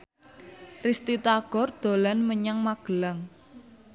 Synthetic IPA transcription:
rist̪it̪aɡ̥ɔ̤rd̪̥o̤lanməɲaŋmaɡ̥ə̤laŋ

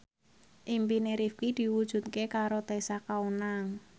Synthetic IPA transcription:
ʔimpineɾifkid̪̥i̤wud̥ʒ̥ṳt̪̚kekaɾot̪esakaunaŋ

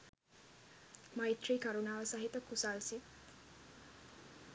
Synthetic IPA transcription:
majt̪ɾikaɾunaʋəsaɦit̪əkːusalsit̪

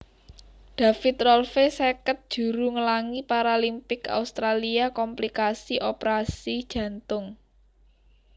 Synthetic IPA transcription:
ɖ̪̥a̤fɪt̪ɾɔlfesekət̪̚d̥ʒ̥ṳɾuŋəlaŋipaɾalimpɪka̰ust̪ɾaliakɔmplikasiʔopəɾasid̥ʒ̥ä̤nt̪ʊŋ

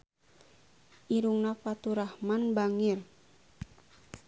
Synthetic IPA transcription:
ʔiɾuŋnapat̪uɾahmanbaŋir

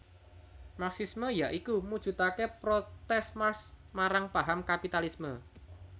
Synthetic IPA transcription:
maksisməjaʔikumud̥ʒ̥ṳt̪akepɾot̪ɛsmars | maɾaŋpaɦamkapit̪alismə

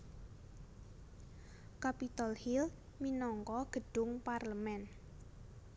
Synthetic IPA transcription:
kapit̪ɔlhil | minɔŋkɔɡ̥ə̤ɖ̥ʊŋparləmɛn

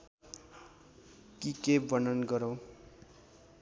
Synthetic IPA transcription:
kikebʌnʌnɡʌɾo

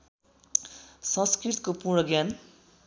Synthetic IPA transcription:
sʌ̃nskrit̪kopurɳʌɡjan

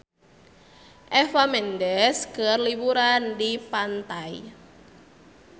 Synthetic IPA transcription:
ʔɛfamɛndɛskərlibuɾandipant̪ai

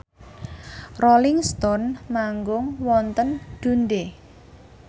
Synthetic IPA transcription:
rolɪŋst̪ɔnmaŋɡʊŋwɔnt̪ənɖ̪̥ṳnɖe

